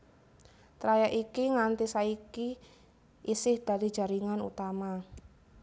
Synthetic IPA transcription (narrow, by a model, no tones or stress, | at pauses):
t̪ɾajaʔikiŋant̪isaiki | ʔisɪhd̪̥a̤li̥d͡ʒ̥a̤ɾiŋanṵt̪ama